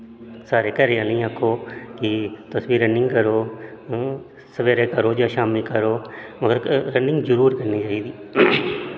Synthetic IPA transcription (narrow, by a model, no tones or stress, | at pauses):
saːɾeːkəɾeãːnəĩːakʰːoːkit̪əsʋiːɾəɳɖɪ̃ŋɡkəɾoː | səʋeːɾeːkəɾoːd͡ʒaːʃaːmikəɾoːməɡəɾɾə̃ɳɖɪ̃ŋɡzəɾuːɾkəɾniːt͡ʃaːiːd̪iː